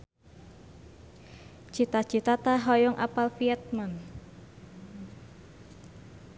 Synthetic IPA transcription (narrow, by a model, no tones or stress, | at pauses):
t͡ʃit̪at͡ʃit̪at̪aɦɔjɔŋʔa̰palfiɛt̪̚man